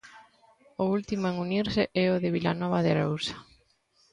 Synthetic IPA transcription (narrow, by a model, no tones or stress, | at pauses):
ʊult̪imʊeŋuniɾsɪʔɛʊðɪβila̰nɔβ̞aðɪɾowsḁ